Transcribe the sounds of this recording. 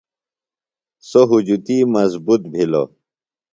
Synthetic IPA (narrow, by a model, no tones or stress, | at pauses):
soɦud͡ʑut̪imɐzbut̪̚bʱilo̰